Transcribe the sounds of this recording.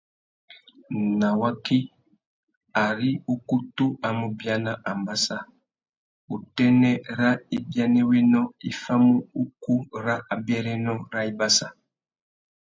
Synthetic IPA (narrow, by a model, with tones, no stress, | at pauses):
na˨wa˦ki˦ | a˨ɾi˦u˦ku˦tu˦a˨mu˨bja˦na˦ʔa˨mba˦sa˦ | u˨tɛ˦nɛ˦ɾa˦i˦bja˦nɛ˦we˦nɔ˦i˦fa˦mu˦u˦ku˦ɾa˦ʔa˨bjɛ˦ɾɛ˦nɔ˦ɾa˦i˦ba˦sa˨